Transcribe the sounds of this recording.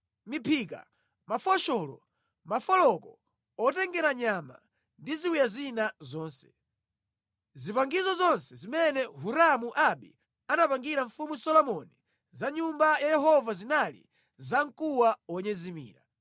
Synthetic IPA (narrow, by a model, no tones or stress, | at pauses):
mipʰiːka̰ | mafɔʃɔlɔ̰ | mafɔlɔkɔ | ɔtɛŋɡɛɾaɲama̰ | ndiziwijazinazɔːnsɛ̥ | zipaŋɡizɔzɔnsɛzimɛnɛɦuɾamuʔaɓḭ | anapaŋɡiɾaɱfumusɔlɔmɔni | zaɲumbajajɛɦɔvazinalḭ | zaŋkuwawɔɲɛzimḭːɾa